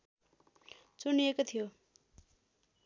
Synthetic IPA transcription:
t͡suniekot̪ʰijo

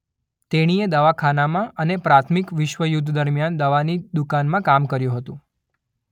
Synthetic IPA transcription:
t̪eɽ̃ied̪əʋakʰanamãʔənepɾat̪ʰmikʋɪʃʋəjud̪ʱd̪əɾmjand̪əʋanid̪ukanmãkamkəɾjũɦət̪ũ

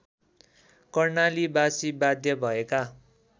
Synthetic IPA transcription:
kʌrnalibasibad̪jʌbʱʌeka

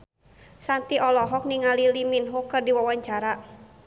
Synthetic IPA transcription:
sant̪iɔlɔɦɔk̚niŋaliliminɦokɨrdiwawaɲt͡ʃaɾa

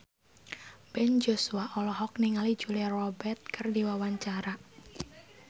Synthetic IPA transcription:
b̥ɛnd͡ʒosuaʔɔlɔɦɔk̚niŋalid͡ʒulrɔbɛrt̪̚kɨrdiwawaɲt͡ʃaɾa

